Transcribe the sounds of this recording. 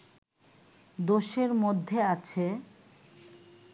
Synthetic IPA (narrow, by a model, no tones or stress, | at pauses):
d̪oʃeɾmod̪ʱːeat͡ɕʰe